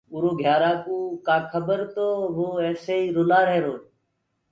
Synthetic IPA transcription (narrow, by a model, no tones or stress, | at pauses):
uːɾoːɡʱjaːɾaːkuːkaːkʰəbəɾt̪oːʋoːeːseːiːɾʊnaːɾeːɾoː